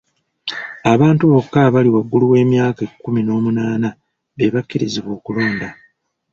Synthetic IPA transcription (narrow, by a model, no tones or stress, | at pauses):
aβaːntuβo̞kːaβaliwaɡːuluwe̞ːmjaːkekːumino̞ːmunaːna | βe̞βakːiɾiziβwo̞ːkulo̞ːnda